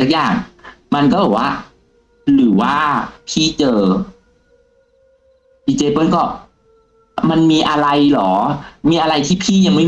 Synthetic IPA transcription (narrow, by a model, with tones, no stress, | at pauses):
a˦˩k̚jaː˨˩ŋma˧nkɔː˥˩bɔː˨˩waː˥˩ | ɾɯː˩˦waː˥˩pʰiː˥˩t͡ɕɤː˧ | diː˧˩t͡ɕeː˧pɤː˥˩nkɔː˥˩ | ma˧nmiː˧ʔa˧ɾa˧jlɔː˩˦miː˧ʔa˧ɾa˧jt̪ʰiː˥˩pʰiː˥˩ja˧ŋma˥˩